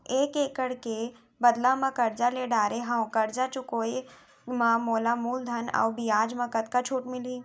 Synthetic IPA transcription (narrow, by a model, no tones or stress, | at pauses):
eːkeːkəɽke | bɐd̪lamãkɐɾd͡ʒaleɖaːɾeɦãõkɐɾd͡ʒat͡ʃʊkoːe | mãmoːlamuːld̪ʱɐna̰ʋbijaːd͡ʒmɐ̃kɐt̪kat͡ʃʰuːʈmɪliː